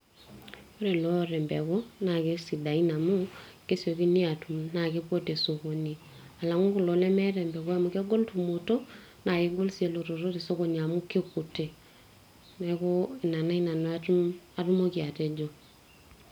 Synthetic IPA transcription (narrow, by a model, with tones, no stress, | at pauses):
o˦ɾe˨lo˦ɾɛ˨mbɛ˨ko˦na˨ke˦si˨da˨i˦na˨mu˦ke˦sjo˨ki˦ni˦a˨tu˨mna˨ke˦po˦te˨so˨ko˨ni˨ | a˨la˨ŋu˦ku˨lo˨lɛ˦mɛ˦ɾɛ˨mbɛ˨ko˦a˨mu˨ka˦ɡo˦ltu˨mo˨to˦ | na˨ke˦ɡo˦lsi˨e˨lo˨to˨ɾo˦te˨so˦ko˨ɲa˨mu˦ke˦ku˨te˨ | nɛ˨ko˦ɪ˨na˨na˦i˦na˨n˦a˨tu˦mo˦kja˨te˦d͡ʒo˨